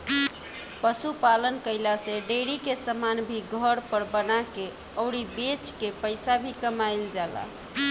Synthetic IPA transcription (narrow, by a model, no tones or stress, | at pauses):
pəsupalənkəjlasẽɖeɽikesəmanbʱiɡʱəɾpəɾbənake | əʊɽibet͡ʃkepəɪsabʱikəmajld͡ʒala̰